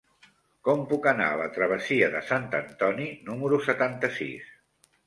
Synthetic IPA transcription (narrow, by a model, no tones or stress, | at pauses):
kɔmpukəna̰ələt̪ɾəβ̞əsiəðəsant̪ənt̪ɔninuməɾusət̪ant̪əsḭs